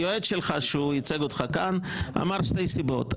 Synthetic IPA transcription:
joe̞d̪ʃelχaʃujit͡seɡotχakana̰maʁʃtejsibo̞̰t̪

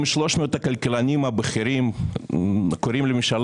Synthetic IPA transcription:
miʃloʃmoot̪ɐkalkelanʲimabeχiɾim | koɾimlemimʃal

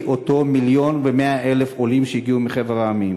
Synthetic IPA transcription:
ʔoto̞miljo̞nveme̞aʔelefolimʃejiɡiumiχevaʁaamim

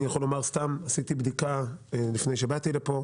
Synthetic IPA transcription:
ijaχolːo̞maʁst̪amasit̪ibd̪ikalifne̞jʃebat̪ilepo̞

